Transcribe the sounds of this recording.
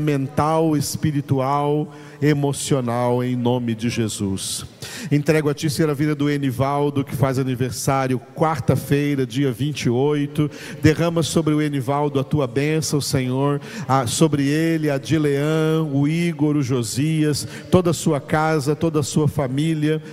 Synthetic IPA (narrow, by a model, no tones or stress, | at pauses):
mẽnt̪awespiɾit̪uaw | emosionawẽj̃nõmɪd͡ʒɪʒezusẽt̪ɾɛɡʊɐt͡ʃiseɛɾɐvid̪ɐd̪ʊenivawd̪ʊkɪ̥fazaniveɾsaɾjʊkwaɾt̪ɐfejɾɐd͡ʒiɐvĩnt͡ʃiojt̪ʊ | d̪eʁɐ̃mɐsobɾɪʊenivawd̪ʊɐt̪uɐbẽsɐ̃ʊsẽɲoɾɐsobɾɪelɪɐd͡ʒileɐ̃ʊiɡoɾʊʒoziɐs | t̪od̪ɐsuɐkazɐt̪od̪ɐːsuɐfamiliɐ